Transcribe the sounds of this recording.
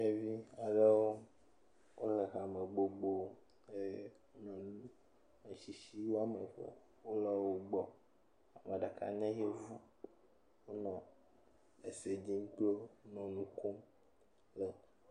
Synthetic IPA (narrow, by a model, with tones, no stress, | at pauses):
e˦vi˦a˨ɖe˦wo˦ | wʔo˦le˨ɦa˨me˨ɡ͡bo˦ɡ͡bo˦ | e˦wo˦nɔ̃˨nu˦ | e˨ʃi˨ʃi˦wo˦a˨me˨ɸḛ˦ | wo˦lɔ˦wo˦ɡ͡bɔ˨ | a˨mẽ˨ɖa˨ka̰˨ɲɛ̃˦je˦vu˦ | wo˦nɔ̃˨ | e˨se˨d͡ʑi˦ŋ˦k͡po˦nɔ̃˨nũ˦ko˦m | le˨